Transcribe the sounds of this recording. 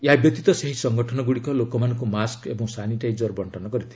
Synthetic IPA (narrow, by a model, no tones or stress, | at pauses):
jabjʌt̪it̪ɔseɦisʌŋɡɔʈʰɔnɔɡuɽikɔlokɔmankomaskebɔ̃ŋsaniʈajd͡zɔrbɔɳʈɔnɔɡʌɾit̪ʰi̥